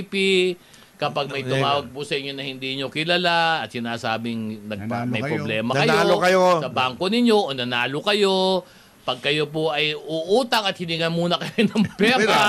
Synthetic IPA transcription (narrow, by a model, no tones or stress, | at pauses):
pi | kɐpaɡ̚mɐjt̪ʊmaːwɐɡ̚pʊsɐʔɪɲːo̞nɐhɪnd̪iːɲo̞kɪlɐlaɐt̪̚sɪnaːsaːbɪŋnɐɡ̚mɐjppɾoblɛːmɐkɐjolokɐjsɐbaːŋko̞nɪɲo̞ʔonɐnaːlokɐjo̞ | pɐɡ̚kɐjo̞poʔɐjʔʊʔuːt̪ɐŋɐt̪̚hɪnɪŋɐnmuːnɐkɐjonɐŋpɛːɾa